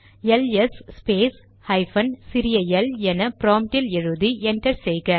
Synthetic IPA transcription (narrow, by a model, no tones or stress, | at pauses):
ɛlɛsspeːs | hɐɪfɐnsɪɾɪjɐjɛlɛnɐpɾoːmʈɪlɛɻɯðiɛnʈɐɾsɛjɣɐ